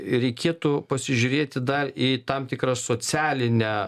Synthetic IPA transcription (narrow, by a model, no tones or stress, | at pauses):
ɾʲɛɪkʲeːt̪ʊpɐsʲɪʒʲʊːɾʲeːt̪ʲɪd̪ɐriːt̪ɐmt̪ʲɪkrɐsoːt͡s̪ʲæːlʲɪnʲæː